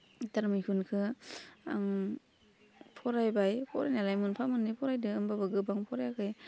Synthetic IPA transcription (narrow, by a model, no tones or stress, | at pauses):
taɾmijkʰunkʰɯa̰ŋ | pʰɔɾajbajpʰɔɾajnalajmɯnpʰamɯnːipʰɔɾajdɯɯmbabɯɡɯbaŋpʰɔɾajakʰɯj